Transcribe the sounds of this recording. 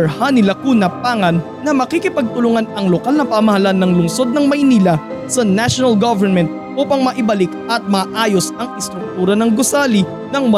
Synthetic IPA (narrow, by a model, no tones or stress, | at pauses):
hanɪlɐkunɐpaːŋɐnːɐmɐkikɪpɐɡ̚t̪ʊlʊŋanɐŋlokalnɐpamɐhɐlanːɐŋlʊŋso̞d̪̚nɐŋmɐjniːlɐsɐnaʃonɐlɡavɛɹmɛnt̪̚ʔuːpɐŋmɐʔɪbɐlɪkʔɐt̪̚mɐʔaːjo̞sɐŋɪst̪ɾʊk̚t̪uːɾɐnɐŋɡosaːli | nɐŋmɐ